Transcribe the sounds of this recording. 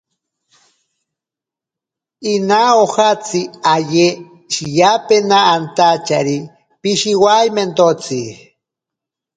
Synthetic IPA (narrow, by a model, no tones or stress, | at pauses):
inaoxat͡siaje | ʃijapenaːnt̪at͡ʃaɾi | piʃiwajment̪ot͡si